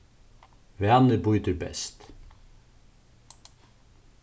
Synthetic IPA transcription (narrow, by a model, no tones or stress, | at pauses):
ʋæːnəɾbuʏt̪əɾbɛ̰st̪